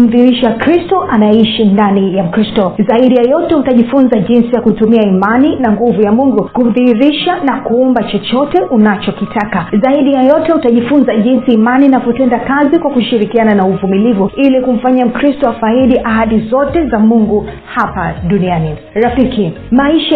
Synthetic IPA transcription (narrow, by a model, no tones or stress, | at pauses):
m̩ðiɾiʃakɾistɔʔanaɛiʃindanijam̩kɾistɔzaiɗijajɔtɛutaʄifunzaʄinsijakutumiaimaninaŋɡuvujamuŋɡukum̩ðihiɾiʃanakuumbat͡ʃɔt͡ʃɔtɛʔunat͡ʃɔkitʰakazaiɗijajɔtɛutaʄifunzaʄinsiːmaninavɔtɛndakazikwakuʃiɾikiananauvumilivuilikum̩faɲam̩kɾistɔafaiɗiʔaɦaɗizɔtɛzamuŋɡu | hapaɗuniani | ɾafiki | maiʃa